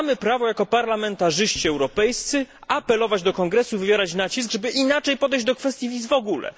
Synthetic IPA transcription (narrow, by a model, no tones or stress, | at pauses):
mɘpɾavɔjakɔpaɾlamɛnt̪aʐɘɕt͡ɕiɛwɾɔpɛjst̪sɘapɛlɔvad͡ʑd̪ɔkɔŋɡɾɛsuvɘvʲjɛɾat͡ɕnat͡ɕisɡʐɛbɘʔinat͡ʂɛjpɔd̪ɛjʑd͡ʑd̪ɔkfɛst̪ʲjivʲizvɔɡulɛ̰